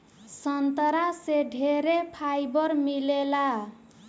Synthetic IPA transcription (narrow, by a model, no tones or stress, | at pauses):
sʌnt̪əɾaseɖʱeɾepʰajbʌɾmilela